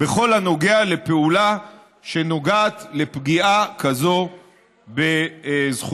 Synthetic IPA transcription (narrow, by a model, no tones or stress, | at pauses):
beχo̞lhano̞ɡeale̞pe̞ula | ʃe̞no̞ɡaːt̪le̞pɡiʔakazo̞ | bezχu